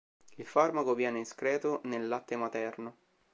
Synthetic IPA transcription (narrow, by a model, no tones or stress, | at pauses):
ilfarmakovjɛːneiskɾɛːt̪onelːat̪ːemat̪ɛrno